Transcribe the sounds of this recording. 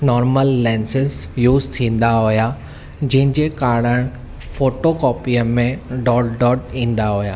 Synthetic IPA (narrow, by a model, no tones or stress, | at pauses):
nɔːɾməlːɛ̃ːnsɪzjuːzt̪ʰĩːn̆d̪aɦʊja | d͡ʑɐ̃ɦɪ̃ɲd͡ʑekaːɽəɽ̃ | foːʈokɔːpijəmẽɖɔːɖɖɔːʈĩːn̆d̪aɦʊja̰ː